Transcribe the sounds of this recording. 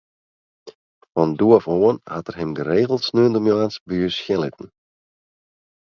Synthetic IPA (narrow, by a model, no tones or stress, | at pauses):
fɔnduɔfoːənhatərhɪmɡəreːɣəl̩ˠtsnøəndəmjoaːnsbyəsxjɪlɪtn̩